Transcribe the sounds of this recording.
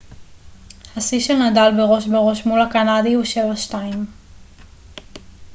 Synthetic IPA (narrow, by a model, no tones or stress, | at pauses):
hasiʃelnadalbeʁo̞ʃbeʁo̞ʃmulakanadihuʃe̞vaʃtaim